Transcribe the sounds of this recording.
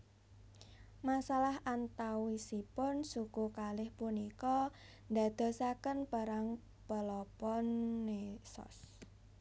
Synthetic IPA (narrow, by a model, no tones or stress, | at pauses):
masalaɦant̪awisipʊnsukukalɪhpunikɔ | nd̪a̤d̪̥ɔ̤sakənpəɾaŋ | pəlɔpɔnːesɔ̰s